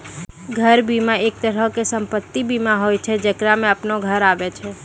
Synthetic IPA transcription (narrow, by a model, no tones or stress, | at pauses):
ɡʱəɾbiːmaeːk̚t̪əɾəɦkesə̃mpət̪ːibiːmaɦoːjt͡ʃʰɛd͡ʒəkɾamẽəpnoɡʱəɾaːʋet͡ʃʰɛ